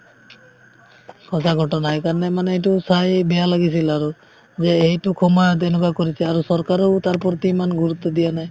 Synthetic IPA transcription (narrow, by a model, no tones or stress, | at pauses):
kʰɔsʰaɡʱɔʈɔnajkaɹɔnɛmanɛejtusajbɛjalaɡis̬ilaɹu | zɛejtukʰɔmajɔt̪ɛnukakoɹisɛaɹusɔɹkaɾɔʊt̪aɹpɔɹt̪imanɡuɹut̪ːɔd̪ijanaj